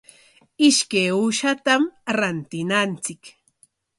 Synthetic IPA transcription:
ɪʃkajuʃat̪amɾant̪ɪnant͡sɪk

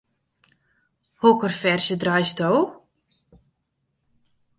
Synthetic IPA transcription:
hɔkərfɛrsjədrajstoː

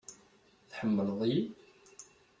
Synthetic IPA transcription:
θħəmːəlðˤji

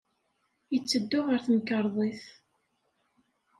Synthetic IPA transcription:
jət͡sːəd̪ːʊʁəɾθəmkəɾˤðˤiθ

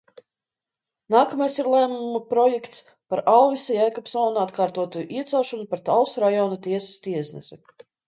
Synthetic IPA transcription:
naːkamajsiɾlˠæːmumupɾɔjɛkt̪s | paɾalˠvisajajkɔpsɔːnuat̪kaːɾt̪uɔt̪ujʔiɛt̪sɛwʃɔnupaɾt̪alsɾajɔːnat̪iɛsḁst̪iɛsnɛ̰sɛ

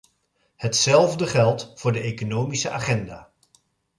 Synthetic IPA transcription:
hətsɛlˠvdəχɛlˠtfʊːɹdəʔejkonowmisəʔaːχɛnda̰ː

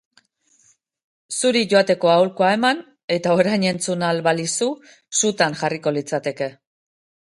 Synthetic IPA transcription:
suɾiʝo̞at̪e̞ko̞awlkoae̞man | e̞t̪ao̞ɾajɲe̞nt͡sunalβalisu | sut̪aŋʝariko̞lit͡sat̪e̞ke̞

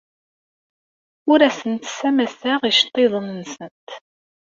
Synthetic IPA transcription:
ʊɾæsənt̪sæmæsæʁiʃt̪ˤːeðˤənnsənt̪

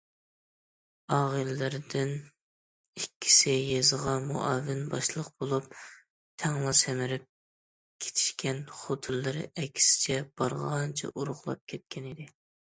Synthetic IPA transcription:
ɑːʁəllɪɾɪd̪ɪn | ikʲʰːi̥sɪjezʁɑmṵʔɑvɪnbɑʃlˠəqbolˠup̚ | t̪ʰɛŋlˠɑsɛmɪɾɪp̚ | kʲʰe̥t̪ʰɪ̥ʃkʲɛnχot̪ʰɨlːɨɾɪ̰ʔɛkʲʰːi̥sɪ̥t͡ʃʰɛb̥ɑɾʁɑnt͡ʃʰɛ̰ʔuɾʊχlˠɑ̰p̚kʲʰɛt̪̚kʲɛnɪd̪ɪ

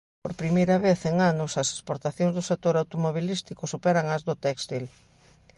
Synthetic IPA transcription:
poɾpɾimejɾɐβeθeŋanʊsɐse̥spoɾt̪aθjõŋzðʊsek̚t̪oɾawt̪omoβ̞ilist̪ikʊsupɛɾɐŋɐzðʊt̪ɛkst̪il

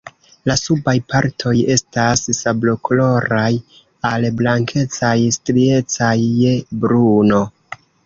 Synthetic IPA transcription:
lasubajpʰaɾtʰo̞je̞stassablo̞klo̞ɾaj | alblaŋkʰe̞t͡sajstɾie̞t͡sajːe̞bɾuno̞

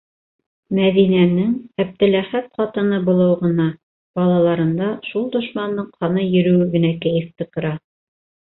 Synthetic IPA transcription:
mæðinænɘŋæb̚t̪ɘ̆læχæt̪̚qɑt̪ɤ̆nɤbŏlˠɤwʁɤ̆nɑ | b̥ɑlˠɑlˠɑɾɤ̆nd̪ɑʃulˠd̪ŏʃmɑnd̪ɤɴqʰɑnɤjɵ̆ɾɵ̆wɘɡɵ̆nækæjɘ̆θt̪ɘ̆qɤ̆ɾɑ

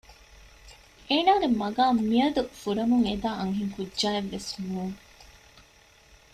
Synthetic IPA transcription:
eːnaːɡemɐɡaːmiɐd̪ufuɾɐmuŋed̪aːɐŋɦiŋkudːʒaːeʋːesmuːŋ

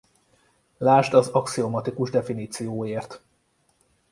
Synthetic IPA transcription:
laːʃt̪ɒzɒksiomɒt̪ikuʒd̪ɛfiniːt̪sijoːjeːrt̪

